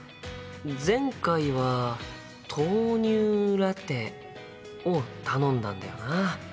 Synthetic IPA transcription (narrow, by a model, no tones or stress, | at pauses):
zẽ̞ŋkaiβa | t̪ʰo̞ːɲ̟ʲɨːɾat̪e̞ | ot̪anõ̞nd̪ã̰nd̪a̰jo̞̰na